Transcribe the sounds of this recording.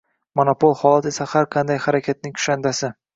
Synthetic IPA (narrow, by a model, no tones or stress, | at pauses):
monopolˠhɒlˠat̪e̞sahaɾqʰɑnd̪ajhaɾakʲʰat̪̚nɪŋkʰʊ̥ʃand̪asɪ